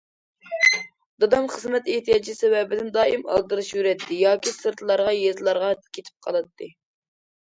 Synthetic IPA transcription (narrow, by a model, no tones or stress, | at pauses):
d̪̥ɑd̪ɑmχəzmɛt̪eht̪ʰijɑd͡ʒisɛwɛbɪd̪ɪnd̪ɑːimɑ̰lˠd̪ɨɾɨʃjyɾɛt̪ʰːɪjɑːkʲisɨɾt̪ʰlˠɑɾʁɑjezlˠɑɾʁɑkʲʰet̪ʰɪ̥p̚qʰɑlˠɨt̪ʰːɨ